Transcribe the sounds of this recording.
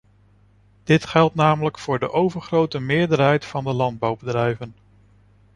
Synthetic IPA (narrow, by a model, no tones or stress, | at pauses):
d̥ɪtχɛlˠtnaːmələkfʊːɹdəʔowvəɹχrowtəmɪːɹdəɹɦɛjtfɑndəlɑnd̚bɑwbədrɛjvən